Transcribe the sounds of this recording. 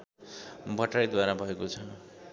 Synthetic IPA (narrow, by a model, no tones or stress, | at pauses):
bʱʌʈrajd̪waɾabʱʌekot͡sʰʌ